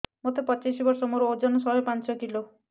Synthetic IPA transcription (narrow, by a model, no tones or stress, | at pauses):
mot̪epɔt͡ʃisibɔɾsɔmoɾuod͡ʒɔnɔsɔɦɔjpant͡ʃɔkilo